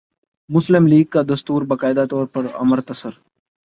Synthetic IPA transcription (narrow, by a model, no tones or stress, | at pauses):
mʊslɪmliːɡ̚kad̪ɐst̪uːɾbɐkaːɪd̪at̪ɔːɾpɐɾɐ̰məɾt̪ɐsəɾ